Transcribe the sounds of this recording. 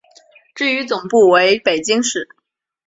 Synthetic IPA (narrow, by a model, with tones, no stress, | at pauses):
ʈ͡ʂɻ̩˥˩y˧˥t͡sʊ˨˩ŋpu˥˩we˧˥ɪpe˨˩ɪt͡ɕi˥ŋʂɻ̩˨˩˦